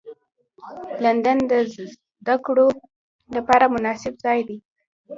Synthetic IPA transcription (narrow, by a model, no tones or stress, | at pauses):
land̪and̪ə | d̪akɽo | lapɑɾamʊnɑsɪbzɑjd̪i